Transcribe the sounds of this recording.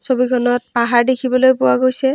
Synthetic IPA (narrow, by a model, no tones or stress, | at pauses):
sobikʰɔnɔt̚paɦaɹdekʰibɔlojpʊwaɡojsɛ